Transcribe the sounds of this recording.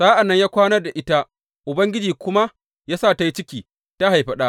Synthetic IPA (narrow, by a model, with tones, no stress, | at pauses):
saː˦ʔa˨nːɐ˦ɲjaː˦kʷaː˦nɐ˦rda˨ʔɪ˦ta˦ | ʔʊ˨bɐ˦ŋɡʲɪ˦d͡ʒiː˨kʷʊ˦ma˦ | jaː˦sa˦˨ta˦ji˦t͡ʃɪ˦kʲiː˨ | ta˦ha˨jɸɐ˦ɗaː˦